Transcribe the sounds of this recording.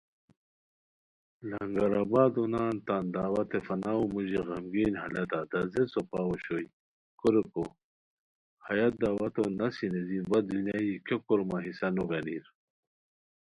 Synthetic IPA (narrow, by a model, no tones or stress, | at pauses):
lɐŋɡaɾabaːd̪unaːnt̪and̪aːwɐt̪efɐnaːumuʑiɣɐmɡiːnhɐlɐt̪ad̪ɐzesopaːoɕoj | kuɾeko | hɐjat̪̚d̪aːwɐt̪onɐsinezinbɐd̪unjajikokɔɾmaɦisɐnuɡɐniɾ